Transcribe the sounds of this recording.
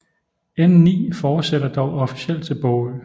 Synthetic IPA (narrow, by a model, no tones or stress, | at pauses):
ennḭːfɒ̥ːseɾ̥ɐd̥ɒʊɒfi̥siel̰d̥t͡sʰe̝lb̥ɔʊð̩